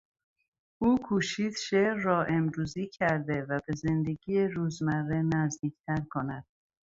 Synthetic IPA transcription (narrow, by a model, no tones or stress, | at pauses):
ʔuːkʰuːʃiːd̪ʃeɾːɒːʔemɾuːziːcʰæɾd̪e̞væbe̞ze̞nd̪e̞ɡiːeɾuːzmærːenæzd̪iːcʰt̪ʰæɾkʰo̞næd̪̥̚